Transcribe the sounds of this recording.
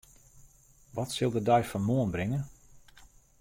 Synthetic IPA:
ʋɔtsɪlˠdədœɥfɔnmoənbrɪŋə

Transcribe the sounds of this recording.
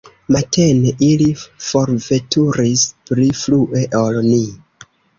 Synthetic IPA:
matʰeneʔilifo̞ɾve̞tuɾispɾifluʔe̞ʔolni

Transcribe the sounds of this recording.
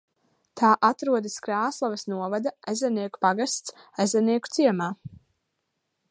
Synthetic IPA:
t̪ʰaːʔat̪ɾuɔd̪iskɾaːslˠavɛsnuɔvad̪aazʲɛniɛku̥paɡast̪s | azɛniɛku̥t̪siɛmaː

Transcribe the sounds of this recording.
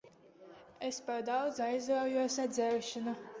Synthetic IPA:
espaɾd̪awd̪zajzawjuɔsad̪zʲɛwʃana

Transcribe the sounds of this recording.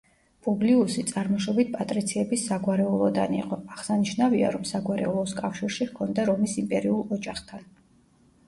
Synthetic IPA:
pʼubliusit̪sʼaɾmɔʃɔbit̪̚pʼat̪ʼɾit̪sʰiɛbisːaɡwaɾɛulˠɔd̪a̰nḭqʼɔaʁsaniʃnavia̰ɾɔmsaɡwaɾɛ̰ulˠɔskʼafʃiɾʃihkʰɔnd̪aɾɔmisimpʼɛɾiulˠɔd͡ʒaχt̪ʰan

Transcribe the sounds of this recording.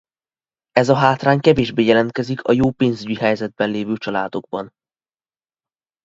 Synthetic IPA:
ɛzɒɦaːt̪raːɲkɛveːʒbeːjɛlɛnt̪̚kɛzikʰɒ̰joːpeːnzyɟiɦɛjzɛd̪̚bɛnleːvøːt͡ʃɒla̰ːd̪o̞ɡ̚bɒn

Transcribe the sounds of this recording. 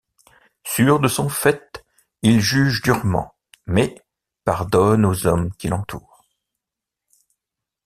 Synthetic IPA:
syʁd̪əsɔ̃fɛt̪ | ilʒyʒd̪yʁmɑ̰̃ | mɛ | paʁd̪ɔnozɔmkʲilɑ̃t̪ʰuːʁ

